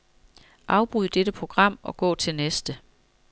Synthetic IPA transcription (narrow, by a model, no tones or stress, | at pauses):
ʔɑ̈ʊb̥ʁyð̰ˠəd̥ed̥əpʰʁo̝ɡ̥ʁɑ̈m̰ɒ̽ɡ̥ɔ̰̽ːt͡sʰe̝lnesd̥ə